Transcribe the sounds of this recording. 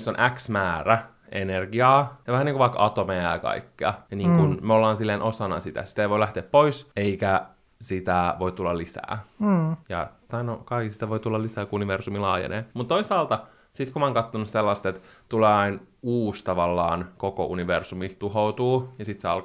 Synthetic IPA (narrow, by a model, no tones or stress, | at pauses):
sːonʔæksmæːræ | enerɡiɑːjɑʋæhæniːŋkuʋɑikɑt̪omeɑjɑkɑ̰ikːeɑ̰niːŋkunmeolːɑːnsilːeːnʔosɑnɑ̰sit̪æ̰si̥t̪eiʋoilæht̪eːppoiseikæ | sit̪æʋoit̪ulːɑlisæ̰ː | jɑ̰t̪ɑnokɑiksi̥t̪æʋoit̪ulːɑlisæːkuuniʋersumilɑ̰ːjḛnḛːmut̪t̪oisɑːlt̪ɑ | sit̪kumɑːŋkɑt̪ːonusselːɑst̪et̪t̪uleːɑinuːst̪ɑʋɑlːɑːnkoko̰ʔuniʋersumit̪uɦout̪uːjɑsit̪seɑlk